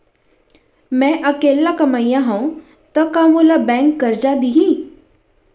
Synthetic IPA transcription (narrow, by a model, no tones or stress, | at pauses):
mɛ̃ʔəkeːlakɐmaːijãɦaũ | t̪ɐkaːmolabɛ̃ːŋkɡɐɾd͡ʒad̪iɦĩ